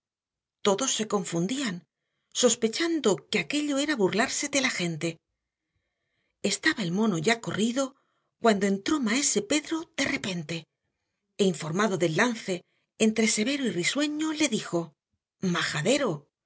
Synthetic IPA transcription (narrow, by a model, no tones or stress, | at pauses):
t̪o̞ðo̞sːe̞ko̞ɱfund̪ian | so̞spe̞t͡ʃand̪o̞keake̞ʎo̞e̞ɾaβurlaɾse̞ðe̞laxe̞nt̪e̞ | e̞st̪aβaelmo̞no̞ʝako̞riðo̞ | kwand̪o̞e̞nt̪ɾo̞mae̞se̞pe̞ðɾo̞ð̥e̞re̞pe̞nt̪e̞ | eiɱfo̞ɾmaðo̞ðelːanθe̞ː | nt̪ɾe̞se̞βe̞ɾoiriswe̞ɲo̞le̞ðixo̞ | maxaðe̞ɾo̞